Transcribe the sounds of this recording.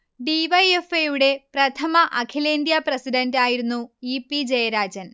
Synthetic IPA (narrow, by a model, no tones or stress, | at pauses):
ɖiʋɐjefejuɽe̞prɐt̪ʰɐmɐʔɐkʰileːnd̪jɐprɐsiɖɐndaːjiɾunːuipːid͡ʑejɐɾaːd͡ʑɐn